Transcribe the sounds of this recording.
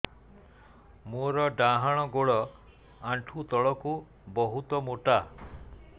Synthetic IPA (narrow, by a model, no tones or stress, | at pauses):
moɾɔɖãɦaɽ̃ɔɡoɭɔ | aɳʈʰut̪ɔɭɔku | bɔɦut̪ɔmoʈa